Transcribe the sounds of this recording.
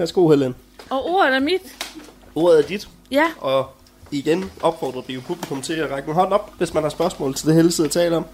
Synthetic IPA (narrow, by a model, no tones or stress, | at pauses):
æɐsɡ̥o̝̰helen | ɒo̝̰ɐ̰ð̩ˠæɐmid̥ | o̝̰ːɐðˠæɐd̥id̥ | jɒ̽ | iɡ̥enɒ̽b̥fɒ̰ːd̥ʁɐd̥ijopʰub̥likʰɔ̽mt͡sʰe̝æʁɑɡ̥ən̩ɦɒ̽nɒ̽b̥ʋe̝smænhɑ̈sb̥ɶɐsmɔ̰̽ːl̩t͡sʰe̝ld̥eɦeləseðˠæt͡sʰɛ̰ːləɒ̽m̰